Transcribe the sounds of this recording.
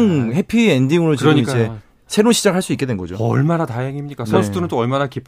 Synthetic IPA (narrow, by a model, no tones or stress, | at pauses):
ŋhe̞pʰiendiŋɯɾod͡ʑiʌid͡ʑe̞ | sʰe̞ɾonɕʰid͡ʑaɡɦaɭs͈uik͈e̞dwenɡʌd͡ʑo̰ʌ̰ɭmanataɦeŋimɲik͈asʰʌnsʰudʰɯɾɯnt͈oʌɭmanakipʰ